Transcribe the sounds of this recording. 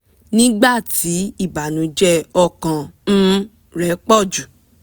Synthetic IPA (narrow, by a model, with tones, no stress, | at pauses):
nĩ˦ɡ͡ba˦˨ti˨˦i˦˨ba˨nũ˨˦d͡ʒɛ˦ɔ˧˨kã˨ñ̩˦ | ɾɛ˨˦k͡pɔ˦˨d͡ʒu˨